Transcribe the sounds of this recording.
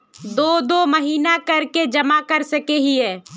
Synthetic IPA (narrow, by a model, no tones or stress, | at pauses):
d̪oːd̪oməɦiːnakəɾked͡ʒəmakəɾsəkeɦiɛː